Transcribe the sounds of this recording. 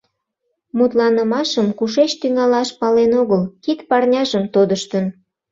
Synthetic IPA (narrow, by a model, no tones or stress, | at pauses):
mut̪lɑnəmɑʃəmkuʃet͡ɕt̪yŋɑlɑʃpɑlenoɣəlkit̪pɑrnʲɑʒəmt̪od̪əʃt̪ən